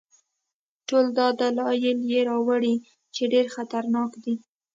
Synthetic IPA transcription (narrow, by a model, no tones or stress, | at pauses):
ʈold̪ɑd̪alɑjɪljeɾɑwaɽi | t͡ʃeɖeɾxat̪aɾnɑkd̪i